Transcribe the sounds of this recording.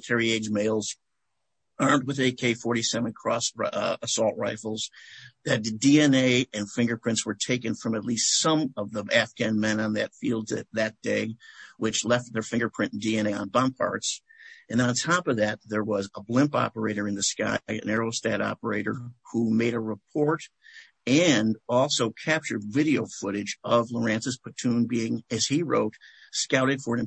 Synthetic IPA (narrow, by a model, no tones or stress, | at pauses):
tʰɛɹieɪd͡ʒmeɪlˠz | ɑ̃˞md̚wɨðeɪkʰeɪfɔɹɾisɛvə̃nkʰɹ̥ɔsəsɔlˠt̚ɹaɪfl̩ˠzðɨt̚diɛ̃neɪɨ̃nfɪ̃ŋɡə˞pʰɹ̥ɪ̃ntswə˞tʰeɪkɨ̃nfɹʌ̃mɨtˡlistsʌ̃mʌvðəæfɡ̥æ̃nmɛ̃nə̃nðɨtfilˠd̪̚ðɨ̰t̪̚ðɨt̚d̥eɪwɨt͡ʃlɛft̪̚ðə˞fɪ̃ŋɡə˞pʰɹ̥ɪ̃n̩diɛ̃ñeɪə̰̃nbɑ̃mpʰɑ̰ɹtsɨ̃nðɨ̃ə̃ntʰɑpʌvðɨt̪̚ðə˞wʌzəblɪ̃mpɑ̰pə˞eɪɾə˞ɨ̃nðɨska̰ɪɨ̰̃nɛɹoʊstæɾɑ̰pə˞eɪɾə̰˞humeɪɾəɹəp̚ʰɔɹɾ | ɨ̃nɔlˠsoʊkʰæp̚t͡ʃə˞dvɪɾioʊfʊɾɨd͡ʒʌvlə˞æ̃nsɨz̥pʰɨtʰũnbiɪ̃ŋɨz̥iɹo̰ʊt̚skaʊɾɨd̥fə̃˞